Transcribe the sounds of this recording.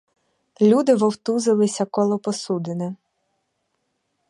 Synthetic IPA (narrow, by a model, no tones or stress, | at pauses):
lʲud̪ɪʋɔwt̪uzɪlˠɪsʲɐkɔlˠɔpɔsud̪ɪnɪ